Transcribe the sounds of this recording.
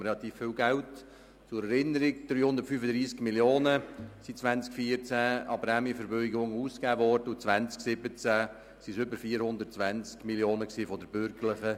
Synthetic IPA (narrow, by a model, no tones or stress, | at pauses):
ɾɛlɑt̪iːffɪwɡælt | t͡sʊɾɛɾɪnəɾikd̥ɾyːhʊnd̪ətfyfədɾiːskmiljoːnəsit͡sʋænt͡skfiəɾt͡sæɑbɾamifəɾbøʏɡʊŋuːskæːvɔːɾdəut͡svʋænt͡sksɪbət͡sæ | siʃʏbəɾfiːəɾhʊnd̪əɾtt͡sʋænt͡skmiljoːnəksiːfɔdəɾb̥ʏɾɡəɾləχə